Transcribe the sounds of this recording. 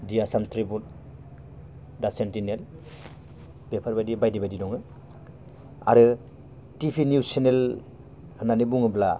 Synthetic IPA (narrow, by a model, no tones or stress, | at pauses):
dijasamtʰɾibun | dasentinel | b̥epʰaɾbajdibajdibajdidɔŋɯ | a̰ɾɯ | tipʰinjusenel | hnanibuŋɯbla̰